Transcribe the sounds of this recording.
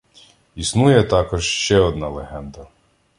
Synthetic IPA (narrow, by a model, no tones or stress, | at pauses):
isnujɛt̪ɑkɔʒʃt͡ʃɛɔd̪nɑlˠeɦɛnd̪ɐ